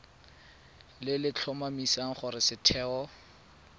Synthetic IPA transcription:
lɪlɪt͡ɬʰɔmamisaŋ̩χʊɾɪsɪtʰɛːɔ

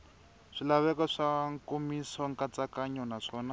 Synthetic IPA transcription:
ʂilaβɛkɔʂaŋkomisɔŋkat͡sakaɲɔnaʂɔːna

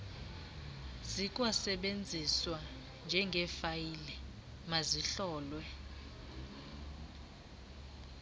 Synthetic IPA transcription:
zik̬ʼwasɛɓend͡zʱiswa | nd͡ʒʱɛŋɡʱɛfajilɛ | maziɬɔːlwɛ

